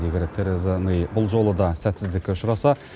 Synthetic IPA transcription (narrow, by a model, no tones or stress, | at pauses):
eɡʲeɾt̪ʰeɾezənejbʊlˠʒo̞lˠəd̪ɑsæt̪sɪzd̪ɪkʲːeʊʃʊɾɑsɑ